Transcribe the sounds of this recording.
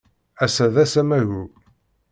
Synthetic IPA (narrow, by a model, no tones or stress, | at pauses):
æsæðæsæmæʝu